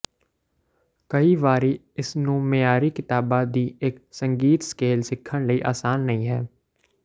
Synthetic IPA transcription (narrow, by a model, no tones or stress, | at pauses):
kɐiʋaːɾi | ɪsnũːmejaːɾikɪt̪aːbad̪iːeksə̃ŋɡiːt̪skeːlsɪkʰːəɽ̃ləiʔaːsaːnːɐɦĩɦɛː